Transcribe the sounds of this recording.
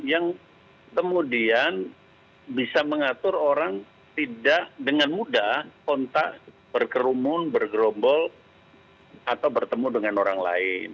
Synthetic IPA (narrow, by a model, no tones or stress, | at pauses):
jaŋ | kəmudian | bisaməŋat̪ʊɾoɾaŋ | t̪idaʔdəŋanmudahkɔnt̪aʔ | bərkəɾumʊnbərɡɾombɔl | at̪awbərt̪əmudəŋanoɾaŋla̰ɪn